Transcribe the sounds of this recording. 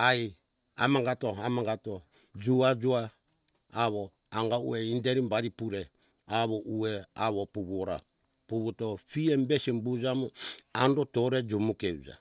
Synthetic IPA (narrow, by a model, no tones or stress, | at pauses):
aj | amaŋɡatoamaŋɡato | d͡ʒuad͡ʒuaː | βo | aŋɡaṵeindeɾimbaɾipuɾe | aβoʔuea̰βopuβuoɾa̰ | puβutofiembesimbud͡ʒamuandotoɾed͡ʒumukeud͡ʒa̰